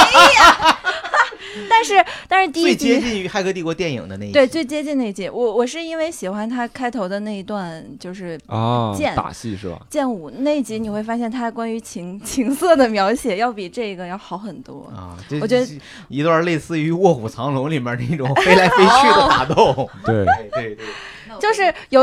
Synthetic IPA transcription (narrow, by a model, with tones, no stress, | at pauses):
t̪a˥˧nʂɻ̩˥˩˧t̪a˥˧nʂɻ̩˥˧t̪i˥we˥˧ɪt͡ɕjɛ˥t͡ɕi˥˩ny˧˥xa˥˧ɪkʰɤ˥t̪i˥˩kwɔ˧˥t̪jɛ˥˩nḭ˨˩ŋd̪ə˦ne˥˩ɪwe˥˩ɪt͡swe˥˩ɪt͡ɕjɛ˥t͡ɕi˥˧ne˧˩i˥˩t͡ɕi˧˥wɔ˨˧˩wɔ˨˩ʂ̬ɻ̩˥˧i˥nwe˥˩ɪɕi˨˩xwa˧˥nt̪ʰa˥kʰa˥ɪt̪ʰo˧˥ʊd̪ə˧na˥˩ɪi˧˥t̪wa˥˧nt͡ɕjo˥˧ʊʂɻ̩˥˧t͡ɕjɛ˥˩nt̪a̰˨˩ɕḭ˥˧ʂɻ̩˥˩bɐ̰˩t͡ɕjɛ˥˩nu˨˩ne˥˩ɪ˧˥t͡ɕi˧˥ni˨˩xwe˥˩ɪfa˥ɕ̬jɛ˥˩nt̪ʰa˥˧˩kwa˥ny˧˥t͡ɕʰi˧˥ŋt͡ɕʰi˧˥ŋsɤ˥˩d̪ə˩mjɑ˧˥ʊɕjɛ˨˩jɑ˥˩ʊpi˨˩ʈ͡ʂɤ˥˩i˧˥ɡə˨˧jɑ˥˩ʊxɑ˧˥ʊxə˨˩nt̪wɔ̰˥˧˩ʈ͡ʂt͡ɕɥɛ˧˥d̪ə˥ | i˧˥t̪wa˥˧le˥˧ɪsɹ̩˥˩y˧˥wɔ˥˩xu˨˩t͡sʰɑ˧˥ŋlʊ˧˥ŋli˨˩mjɛ˧˥nə˥˧i˥˩ʈ͡ʂʊ˨˧˨ŋfe˥ɪla˧˥ɪfe˥ɪɕʰy˥˧d̪ə˩˧t̪a̰˨˩t̪ʊ˥˩ŋt̪e˥˩˥we˥˧ɪt̪e˥˧ | t͡ɕjo˥˧ʊʂɻ̩˥˩jo˨˩ʊ